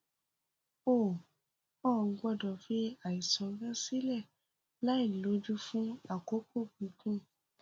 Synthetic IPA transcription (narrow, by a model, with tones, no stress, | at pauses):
o˦˨ | ɔ˦˨ŋ̩˧˦ɡ͡bɔ˦˨dɔ˨fi˦a˨i˨sɔ̃˨˧˦ɡã˦si˦lɛ˦˨ | la˨˦i˦˨lo˨˦d͡ʒu˦fũ˦a˦˨ko˦k͡po˦˨bĩ˨˧˦kũ˦